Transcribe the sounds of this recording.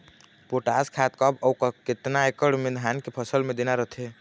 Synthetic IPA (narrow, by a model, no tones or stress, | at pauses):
poʈaskʰat̪kəbɔwkket̪naekəɖmed̪ʱankepʰəsəlmed̪enaɾəɦt̪ʰe